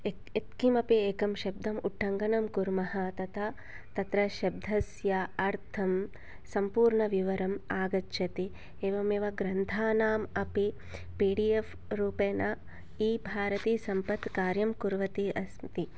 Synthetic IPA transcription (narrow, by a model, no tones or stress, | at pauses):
e | et̪kimɐpieːkɐmʃɐb̚d̪ʱɐmuʈʰːɐŋɡɐnɐmkuɾmɐhɐt̪ɐt̪ʰɐ | t̪ɐt̪ɾɐʃɐb̚d̪ʱɐsjaɐɾt̪ʰɐm | sɐmpuːɾɳɐʋiʋɐɾɐmaːɡɐtːʃʰɐt̪i | eːʋɐmeːʋɐɡɾɐnt̪ʰaːnaːmɐpi | piːɖief | ɾuːpeːnɐ | iːbʱaːɾɐt̪iːsɐmpɐt̪kaːɾjɐmkuɾʋɐt̪iɐsmt̪i